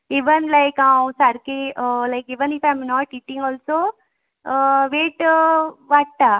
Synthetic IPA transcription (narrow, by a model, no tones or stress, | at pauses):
iʋənlajkãwsaɾkeəlajkiʋənifajmnɔʈiʈĩŋɡɔlso | ʋeʈʋaɽ̚t̪a